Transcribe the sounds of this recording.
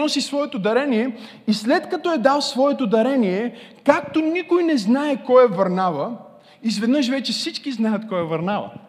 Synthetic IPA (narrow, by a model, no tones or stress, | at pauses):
ɔsisvɔɛt̪od̪ɐɾɛnijɛ | islɛt̪kɐt̪ɔɛd̪alˠsvɔɛt̪od̪ɐɾɛnijɛkak̚t̪onikojnɛznaɛkɔjɛvəɾnavə | izvɛd̪nɤʃvɛt͡ʃɛfsit͡ʃkiznajət̪kɔjɛvəɾnavɐ̰